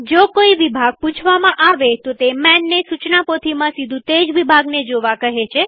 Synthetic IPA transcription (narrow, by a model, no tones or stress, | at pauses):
d͡ʒokoiʋibʱaɡ̚pũt͡ʃʰʋamãʔaʋet̪ot̪emɛnːesut͡ʃnapot̪ʰimãsid̪ʱũt̪ed͡ʒʋibʱaɡned͡ʒoʋakəɦet͡ʃʰe